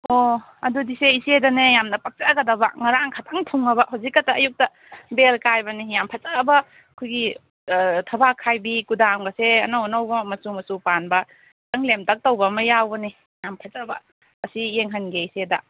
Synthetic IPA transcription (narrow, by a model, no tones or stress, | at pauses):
o | ɐ̰dudiseisedɐnejamnɐpɐk̚t͡ʃaɡɐdɐbɐ̰ŋɐɾaŋkʰatʰaŋtʰuŋːɐbɐɦawzikːɐtɐːjuk̚tɐ | belkajbɐnijampʰɐt͡ʃabɐ | kʰujɡi | tʰɐbakʰːajbikudamɡɐseɐnawnɐwbɐmɐsumɐsupanbɐ | tɐŋlemtʰɐk̚towbɐmɐjawbɐni | jampʰɐt͡ʃabɐ̰ | ɐsijeŋɦɐnɡeisedɐ